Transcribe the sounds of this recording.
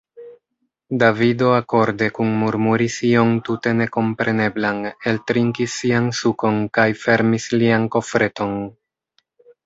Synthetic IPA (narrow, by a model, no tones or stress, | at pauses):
davido̞ako̞ɾde̞kunmuɾmuɾisio̞ntute̞ne̞ko̞mpɾe̞ne̞blane̞ltɾiŋkisːiansuko̞nkajfe̞ɾmislianko̞fɾe̞to̞n